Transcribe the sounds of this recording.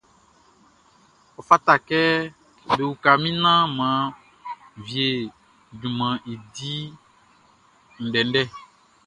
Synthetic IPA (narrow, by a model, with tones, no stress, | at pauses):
ɔ˨fa˦ta˨kɛ˦ | be˨wu˨ka˨mĩ˦nã˦mã˨˦˨ | vi˨e˨ | dũ˨mã˨ʔe˨di˦ | n̩˨ɖɛ˨n̩˦ɖɛ˦˨